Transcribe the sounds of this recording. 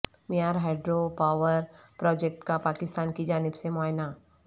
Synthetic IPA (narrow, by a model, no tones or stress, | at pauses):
mijaːɾɦɛːɖɾopaːʋəɾpɾɔːd͡ʒek̚ʈkapaːkɪst̪aːnkid͡ʒaːnɪbsemʊaːjna